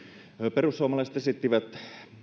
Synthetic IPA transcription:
perusːuomɑlɑˑisĕ̥t̪esit̪ːiʋæt̪

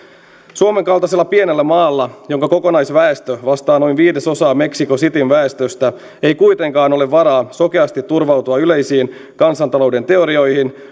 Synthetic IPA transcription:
suome̞ŋkɑlt̪ɑse̞lːɑpie̞nelːæmɑːlːɑjo̞ŋkɑko̞ko̞nɑjsʋæest̪øʋɑst̪ɑːno̞jnʋiːde̞so̞sɑːme̞ksiko̞sit̪inʋæest̪ø̞st̪æ | e̞jkujt̪e̞ŋkɑːno̞le̞ʋːɑɾɑːso̞keɑst̪it̪ːurʋɑwt̪uɑyle̞jsiːn | kɑnsɑnt̪ɑlo̞wde̞nt̪e̞o̞ɾio̞jhin

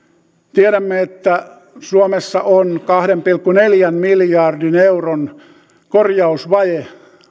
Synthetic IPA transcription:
t̪ieɾæmːeet̪ːæ | suomesːɑʔonkɑhɾempilkːuneljænmiljɑrdineuron | korjɑusʋɑje

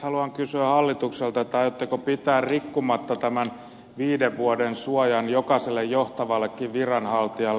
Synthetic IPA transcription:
hɑluɑŋkysyæhɑlːit̪ukselt̪ɑt̪ːɑiot̪ːekopit̪æːrrikːumɑt̪ːɑt̪æmæn | ʋiːdeʋʋuodensuɑjɑnjokɑselːejjoht̪ɑʋɑlːekːiʋʋirɑnhɑlt̪iɑlː

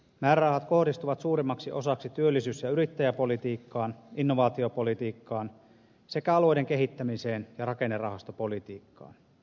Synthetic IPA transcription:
mæːɾɑhɑt̪ko̞hdist̪uʋɑt̪suːɾimːɑksiʔo̞sɑksit̪yølːisyːsjɑyɾit̪ːæjæpo̞lit̪iːkːɑːninːoʋɑːt̪io̞po̞lit̪iːkːɑːn | se̞kæɑlojde̞ŋkeɦit̪ːæmise̞ːnjɑrɑke̞nːerɑ̰hɑst̪opo̞lit̪iːkːɑ̰ːn

